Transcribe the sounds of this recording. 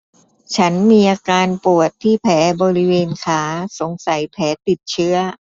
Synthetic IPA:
t͡ɕʰa˦˥nmiː˧ʔaː˧kaː˧npu˨˩ət̪ʰːiː˥˩pʰɛː˩˦bɔː˧ɾi˦˥weː˧nkʰaː˦˥so˩˦ŋsa˩˦jpʰɛː˩˦t̪i˨˩t̪̚t͡ɕʰɯ˦˥ɐ

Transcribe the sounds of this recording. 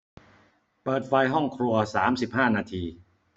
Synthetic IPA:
pɤː˨˩t̪̚fa˧jɦɔ˥˩ŋkʰɾu˧ɐsaː˩˦msi˨˩p̚haː˥˩naː˧t̪ʰiː˧

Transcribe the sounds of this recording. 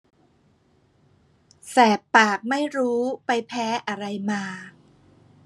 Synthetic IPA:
sɛː˨˩pːaː˨˩k̚ma˥˩jɾuː˦˥pa˧jpʰɛː˦˥ʔa˧ɾa˧jmaː˧

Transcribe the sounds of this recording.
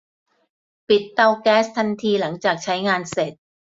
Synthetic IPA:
pi˨˩t̪ːa˧wkɛː˦˥st̪ʰa˧nt̪ʰiː˧la˩˦ŋt͡ɕaː˨˩k̚t͡ɕʰa˦˥jŋaː˧nse˨˩t̪̚

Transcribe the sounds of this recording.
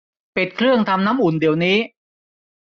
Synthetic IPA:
pe˨˩t̪̚kʰɾɯ˥˩əŋt̪ʰa˧mna˦˥mʔu˨˩˦ndi˨˩əwniː˦˥

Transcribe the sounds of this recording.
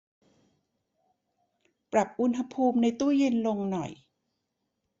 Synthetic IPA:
pɾa˨˩p̚ʔu˧˥nɦa˧pʰuː˧mna˧jt̪uː˥˩je˧nlo˧ŋnɔ˨˩j

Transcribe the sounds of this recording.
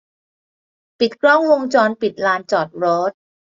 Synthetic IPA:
pi˨˩t̪̚kʰɾɔ˥˩ŋwo˧ŋt͡ɕɔː˧npi˨˩t̪̚laː˧nt͡ɕɔː˨˩t̪̚ɾoː˦˥t̪̚

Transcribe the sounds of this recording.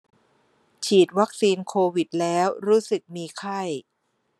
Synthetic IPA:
t͡ɕʰiː˨˩t̪̚wa˦˥k̚siː˧nkʰoː˧wi˨˩t̪̚lɛː˦˥wɾuː˦˥sɯ˨˩k̚miː˧kʰa˥˩j

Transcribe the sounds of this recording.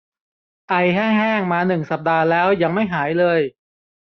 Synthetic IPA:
ʔa˧jɦaː˥˩ŋɦɛː˥˩ŋmaː˧nɯ˨˩ŋsa˨˩p̚daː˧lɛː˦˥wja˧ŋma˥˩jɦaː˩˦jlɤː˧j

